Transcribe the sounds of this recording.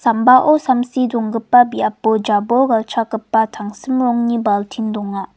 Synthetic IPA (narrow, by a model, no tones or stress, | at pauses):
sɐmbaʔosɐmsidɔŋɡɯpːɐbiapːod͡ʒaboɡɐlt͡ʃʰakɐpːɐtʰaŋsimɾɔŋnibaltʰindɔŋːa